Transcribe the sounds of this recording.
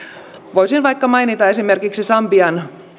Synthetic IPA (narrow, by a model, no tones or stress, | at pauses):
ʋojsinʋɑjkːɑmɑjnit̪ɑe̞sime̞rkiksisɑmbiɑn